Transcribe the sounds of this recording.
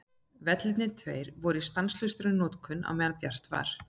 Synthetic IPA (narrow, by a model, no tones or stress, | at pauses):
vɛt̪lɪt̪nɪt̪ʰvejɾvɔɾist̪anslʏst̪ʏɾʏnɔːt̪kʰʏnːa̰wmɛːðalpjar̥t̪va̰ɾ̥